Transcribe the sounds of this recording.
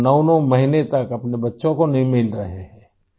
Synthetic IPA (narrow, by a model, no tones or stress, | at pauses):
nɐːnõmɐɦinet̪ɐkɐpnebɐtːʃõkonɐɦĩmɪlɾɐɦeɦɛ̃ː